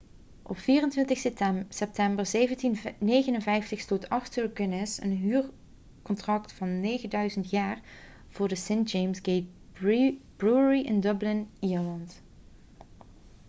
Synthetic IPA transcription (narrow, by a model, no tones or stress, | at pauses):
ʔɔpfiːrəntʋɪntəxssɛp̚tɛmbərzejvəntinnejɣənənvɛjftəχstoːtɑxtəɹɡənɪsə̰nɦyːɹ | kɔntrɑktfɑnːejɣəndœɥzəntjaːɹ | v̥ʊːɹdəsentd͡ʒejmsɡejt̚ | b̥ɹuəɹiʔɪndɵblɪniːɹlɑnt